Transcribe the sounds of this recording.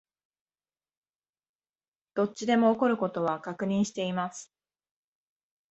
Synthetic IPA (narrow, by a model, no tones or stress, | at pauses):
d̪̥o̞t͡ɕːid̪e̞mo̞ːko̞ɾɯ̟ko̞t̪o̞βakakɯ̟ɲ̟ĩɰ̃ɕi̥t̪e̞imasɨ̥